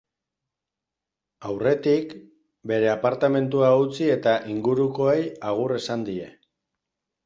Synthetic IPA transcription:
awre̞t̪ik | be̞ɾe̞apaɾt̪ame̞nt̪̬uaut͡sie̞t̪aʔiŋɡuɾuko̞ejaɣ̞ure̞sand̪ie̞

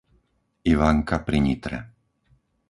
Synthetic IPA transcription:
iʋaŋkapɾiɲiːt̪ɾɛ̰

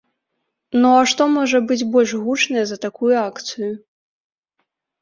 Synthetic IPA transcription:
nɔɐʂt̪ɔmɔʐɐbɨd͡zʲbɔlʲʂɣut͡ʂnɐjɛzɐt̪akujuakt̪sɨju

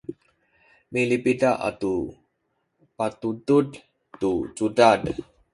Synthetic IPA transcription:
milipidaʔa̰t̪u | pat̪ud̪ud | t̪ut͡sudad

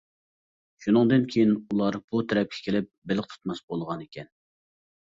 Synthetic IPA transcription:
ʃunɨŋd̪ɨnkʲʰejinulˠɑɾb̥ut̪ʰɛɾɛp̚kʲʰɛ̥kʲʰelɪp̚bɪlɪq̚t̪ʰu̥t̪mɑsbolˠʁɑnekʲʰɛn

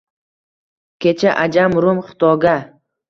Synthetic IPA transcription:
kʲʰe̞t͡ʃʰaʔad͡ʒamɾʊmχɪ̥t̪ɒɡʲa

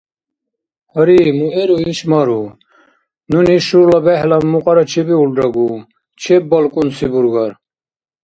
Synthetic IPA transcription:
hɐɾimueɾuiɕmaɾu | nuniʃuɾlɐbeɦlɐmmuqɑɾɐt͡ɕʰibiulɖɾɐɡu | t͡ʃʰebɐlkunsibuɾɡɐɾ

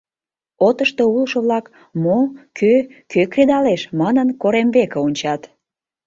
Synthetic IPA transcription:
ot̪əʃt̪oulʃəβlɑk | mokʰøkøkred̪ɑleʃmɑnənkoɾemβekeonʲt͡ɕɑt̪

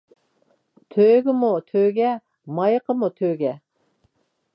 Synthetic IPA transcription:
t̪ʰøɡʲɪmut̪ʰøɡʲɛ | mɑjqʰəmut̪ʰøɡʲɛ

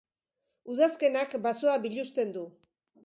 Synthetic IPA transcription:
uðaske̞nakbasoaβiʎust̪e̞nd̪u

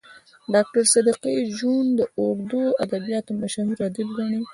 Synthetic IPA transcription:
ɖɑk̚ʈaɾsad̪iqid͡ʒund̪əʔoɡd̪oad̪abijɑt̪omaʃamiɾɑd̪ib̚ɡɑɳi

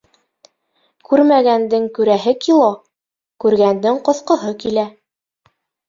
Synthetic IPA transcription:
kʉɾmæɡænd̪ɘŋkʉɾæɦɘkilˠo | kʉɾɡænd̪ɘŋqŏθqɤ̆ɦɤkilæ

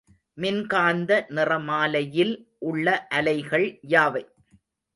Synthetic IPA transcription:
mɪnkaːnd̪ɐnɪrɐmaːlɐjɪlʔʊɭːɐʔɐlɐɪɣɐɭjaːʋɐɪ

